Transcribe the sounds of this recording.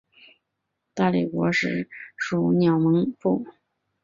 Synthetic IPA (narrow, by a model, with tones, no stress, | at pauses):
t̪a˥˩li˥˩kwɔ˧˥ʂɻ̩˥˩ʂu˨˧˩njɑ˨˩ʊmɤ˧˥ŋfu˥˩